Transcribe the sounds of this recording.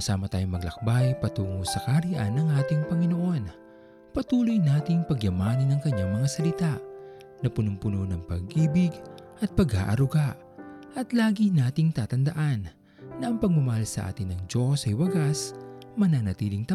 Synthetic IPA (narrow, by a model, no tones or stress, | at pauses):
ɐsaːmɐt̪aːjʊŋmɐɡlɐk̚bajpɐt̪uːŋosɐkaɾɪʔa̰nːɐŋʔaːt̪ɪŋpɐŋɪno̞ʔo̞n | pɐt̪uːlojnaːt̪ɪŋpɐɡjɐmaːnɐnɐŋkɐɲaŋmɐŋasɐlɪt̪aʔ | nɐpʊnʊmpʊnonɐŋpɐɡ̚ʔiːbɪɡʔɐt̪̚pɐɡha̰ːʔɐɾʊɡaʔ | ʔɐt̪laːɡinaːt̪ɪŋt̪aːt̪ɐnd̪ɐʔanː | ɐʔɐŋpɐɡ̚mʊmɐhalsɐʔa̰ːt̪ɪnːɐŋd͡ʒo̞sɐjwɐɡasmɐnanɐt̪iːlɪŋt̪ɐ